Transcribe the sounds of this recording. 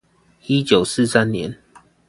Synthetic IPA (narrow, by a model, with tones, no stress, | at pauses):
i˦t͡ɕjo˨˩ʊsɹ̩˥˨sa˦nnjɛ̰˨˦n